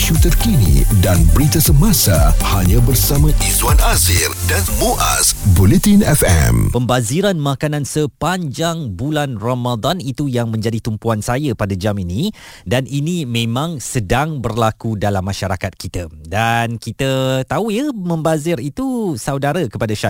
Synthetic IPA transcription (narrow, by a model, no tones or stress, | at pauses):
ʃut̪ərkinḭdanbəɾit̪asəmasahaɲãbərsamãʔizwanazɪrdanmoʔa̰sbulet̪inɛfɛ̰mpəmbaziɾanmãkanãnsəpaɲd͡ʒaŋbulanromad̪anit̪ujaŋmə̃ɲd͡ʒadit̪umpuansajapadad͡ʒaminĩdaninĩmẽmãŋsədaŋbərlakudalamːaʃaɾakat̪̚kit̪adankit̪ət̪aujamə̃mbazɪɾit̪usawdaɾakəpadaʃa